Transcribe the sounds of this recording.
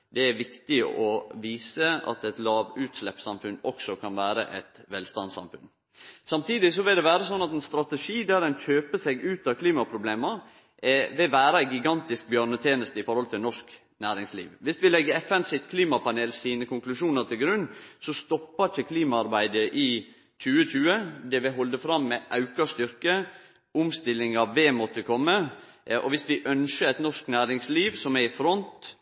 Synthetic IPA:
d̪ɛæɾʋɪkt̪ɪ̰ʔɔʋiːsəɑ̰t̪ɛt̪lɑːʋʉːt̪ʂlɛpsɑmfʉnɔksɔkʰɑnʋæːɾə̰ʔɛt̪ʋɛlst̪ɑ̰nsɑ̰mfʉ̰n | sɑmt̪ʰiːd̪ɪsɔʋɪld̪ɛʋæːɾəsɔnːɑt̪ɛnst̪ɾɑt̪əʂiːd̪æɾɛnçøːpəsɛɡʉːt̪ɑkʰliːmɑpʰɾʊbleːməɾ | ʔɛʋɛʋæːɾəɡɪɡɑnt̪ɪsk̚bjœːɾnət̪ʰjeːnəst̪əɪfɔɾhɔlt̪ʰɪlnɔʂk | næːɾɪŋslḭːʋʋɪsʋɪlɛɡːəɾɛfɛnsɪt̪kʰliːmɑpɑneːlsiːnəkʊŋklʉʂuːnəɾt̪ʰɪlɡɾʉnːsɔst̪ɔpːət͡ʃəkʰliːmɑɑɾbæɪd̪əʔɪ | c͡çʉːət͡ʃʉːəd̪ɛʋɪɦɔld̪əfɾɑmːɛʔɑʉkɑst̪ʏɾkə | ʊmst̪ɪlɪŋɑʋʋɛmɔt̪ːəkʰɔmːəʔɔʋɪsʋɪʔœnʃəæɪt̪nɔʂknæːɾɪŋsliːʋsɔmɛfɾɔnt̪

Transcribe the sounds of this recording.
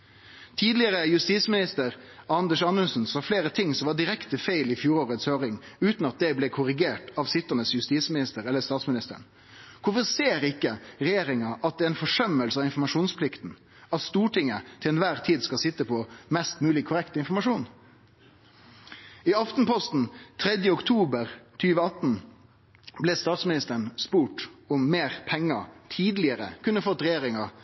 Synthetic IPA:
t̪ʰiːd̪lɪəʁəjʉst̪iːsmɪnɪst̪əɾ | ɑnd̪əʂɑnʉnsn̩sɑːfleːɾət̪ʰɪŋːsɔmʋɑɖɪɾɛkt̪əfeɪlɪfjuːɾoːɾət̪shøːɾɪŋ | ʉːt̪n̩ɑt̪̚d̪ɛblɛkʰʊɾɪɡeːʈɑʋsɪt̪ːənəsjʉst̪iːsmɪnɪst̪əɾɛlːəst̪ɑːt̪smnɪst̪ə̰ɳ | kʰʊfɔseːɾɪkːəʁɛjeːɾɪŋɑʔɑt̪̚d̪ɛːɛnfɔʂœmːəlsəɑʋɪnfɔɾmɑʂuːnspʰlɪkt̪n̩ | ɑt̪st̪uːʈɪŋət̪ʰɪlɛnʋæɾt̪ʰiːd̪skɑlsɪt̪ːəpʰɔmɛst̪mʉːlɪkʰːʊɾɛkt̪əɪnfɔɾmɑʂuːn | ɪɑft̪n̩pɔst̪n̩t̪ʰɾɛd̪jəʊkt̪ʰuːbəɾt̪ʰyːʋəɑt̪n̩ | blɛst̪ɑːt̪smɪnɪst̪əɳspuːʈʊmːeːɾpʰɛŋːət̪ʰiːd̪lɪəɾə̰kʰʉnːəfɔt̪ːɾɛjeːɾɪŋɑ

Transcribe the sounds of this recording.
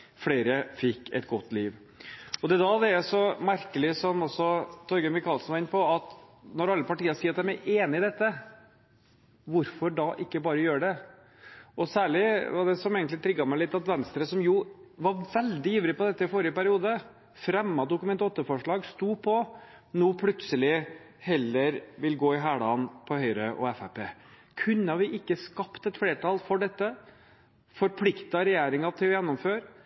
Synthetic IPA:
fɽeːɾəfɪkːɛ̰t̪ɡɔt̪ːliːʋ | ɔd̪ɛd̪ɑd̪ɛæsɔmæɾkəlɪsɔmɔsɔt̪ʰɔɾɡəmɪkʰɑːlsn̩ʋɑɪnpɔɑt̪nɔɾɑlːəpɑʈiːəɾsiːɾɑt̪d̪æmæɾʔeːnɪɪd̪ɛt̪ːə | ʋʊɾfɔɖɑʔɪkːəbɑːɾəjøːɖɛ | ʔɔsæːɭɪʋɑɖɛsɔmeːɡənt̪lɪt̪ʰɾɪɡːɑmɛlɪt̪ːɑt̪ʋɛnst̪ɾəsɔmjʊʋɑɾʋɛld̪ɪjyːʋɾɪpɔd̪ɛt̪ːəɪfɔɾɪəpæɾɪuːd̪ə | fɾɛmːɑd̪ʊkʉmɛnt̪ɔt̪ːəfɔʂɭɑːɡst̪uːpʰɔ | noːpʰlʉt̪səlɪ | hɛlːəɾʋɪlɡoːɪɦæːɖɑːnpʰɔhœʏɾəʔɔ̰ɛfæpeː | kʰʉnːɑɾʋɪʔɪkːəskɑpt̪ɛt̪fleːʈɑlfɔɖɛt̪ːə | fɔɾpʰlɪkt̪ɑɾɛjeːɾɪŋɑt̪ʰɪlɔjɛnːɔmføːɾ

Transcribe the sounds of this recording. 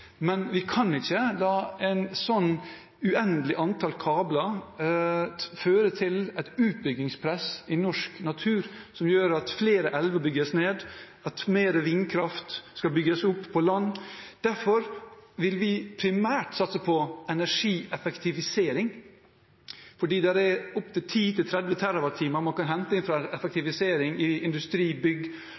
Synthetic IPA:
mɛnʋɪkʰɑnɪçəlɑːɛɪnsɔnː | ʉɛnd̪əlɪʔɑnt̪ʰɑlkʰɑːblɑ | føːɾət̪ʰɪlɛt̪ʉːt̪̚bʏɡɪŋspʰɾɛsɪnɔʂknɑt̪ʰʉːɾsɔmjøːɾɑt̪fleːɾəʔɛlʋəbʏɡəsneːd̪ | ɑt̪meːɾəʋɪnkʰɾɑft̪skɑbʏɡəsʊpʰːɔlɑnːd̪̥æɾfɔɾʋɪlʋɪpʰɾɪmæːʈsɑt̪səpʰɔɛnæʂiːʔɛfɛkt̪ʰɪʋɪseːɾɪŋ | fɔɖiːd̪ɛɾɛʊpt̪ɪt̪ʰiːt̪ɪlt̪ʰɾɛd̪ʋət̪ʰæɾɑʋɑt̪ʰːiːməɾmɑnkɑnɦɛnt̪əɪnfɾɑɛfɛk̚t̪ɪʋɪseːɾɪŋɪɪnd̪ʉst̪ɾiːbʏɡ

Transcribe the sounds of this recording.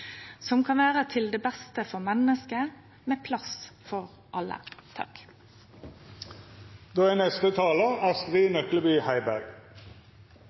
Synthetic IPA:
sɔmkʰɑnʋæːʁət̪ʰɪld̪eːbɛst̪əfɔʁmɛnəskə | meːpʰlɑsfɔʁ | ʔɑlə̰t̪ʰɑ̰k | d̪̥oːæːnɛst̪ət̪ʰɑːləæːʁsk̪ʁiːnœkləbyːhæɪbæʁɡ

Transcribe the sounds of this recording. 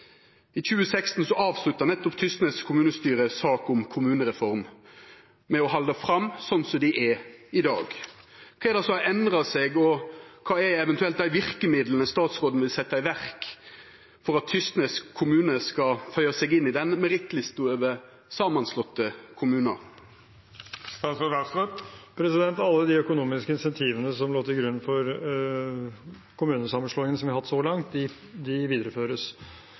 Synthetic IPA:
ɪt͡ʃʉːəsɛkst̪n̩sɔʔɑːʋslʉt̪ːəʁnɛt̪ːɔpt̪ʰʏst̪nəskʰʊmʉːnəst̪yːɾəsɑːkʊmkʰʊmʉːnəɾɛfɔɾm | mɛɔhɑld̪əfɾɑmːsɔnsɔd̪ɪʔɛɪd̪ɑ̰ːɡ | kʰːɛd̪ɑsɔɛnd̪ʁɑsɛɡɔkʰɑːɛɛʋɛnt̪ʉɛlt̪̚d̪æɪʋɪʁkəmɪd̪lənəst̪ɑːt̪sʁoːd̪n̩ʋɪlsɛt̪ːɑɪʋæʁk | fɔɾɑt̪ʰːʏst̪nəskʰːʊmʉːnəskɑfœʏəsɛɡɪnːɪd̪ɛnmɛɾɪt̪lɪst̪uːəʋə | sɑːmɑnslɔt̪ːəkʰʊmʉːnə̰ɾ | st̪ɑːsɔɑsɔpʰɾɛsɪd̪ɛnt̪ɑlːəd̪ɪœkʊnuːmɪskəɪnsɛnt̪ʰiːʋənəsɔmloːt̪ʰɪlɡɾʉnːfɔɾ | kʰʊmʉːnəsɑmənʂɭoːɪŋənəsɔmʋɪɑɾhɑt̪ːsɔlɑŋt̪̚d̪ɪ | d̪ɪʋiːd̪əɾəføːɾəs

